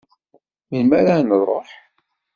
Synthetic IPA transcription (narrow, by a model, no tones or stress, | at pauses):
minmæɾanəðˤoħ